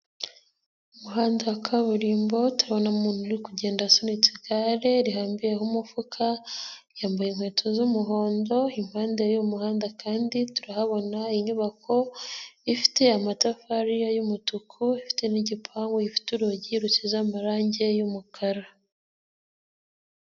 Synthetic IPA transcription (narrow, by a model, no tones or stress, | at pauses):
umuɦaːndakʰaβuɾiːmbo̞tuɾaβo̞namuːn̥huɾikuɟe̞ːndasonit͡siɡaɾe̞ɾiɦaːmbijeɦumufukʰajaːmbajenhwe̞ːtʰozumuɦo̞ːndo̞im̥haːndejumuhaːndakʰaːndituɾahaβo̞naiɲuβakʰo̞ifi̥te̞amatafaɾijajumutukʰuifi̥te̞niɟipʰaːŋɡweifi̥tuɾoɟiɾucizamaɾaːɲɟe̞jumukʰaɾa